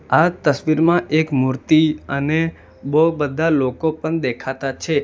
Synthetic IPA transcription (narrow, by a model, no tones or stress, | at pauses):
at̪əsʋiɾmãʔekmuɾt̪iəne | bobəd̪ʱalokopəɳd̪ekʰat̪at͡ʃʰe